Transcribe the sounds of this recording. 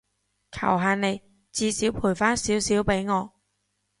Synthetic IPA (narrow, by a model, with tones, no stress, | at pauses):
kʰɐ̰˨˩wɦaː˨˧nne˨˧j | t͡siː˧siː˨˥wpʰuː˨˩jfaː˥nsiː˨˥wsiː˨˥wpe˨˥jŋɔː˨˧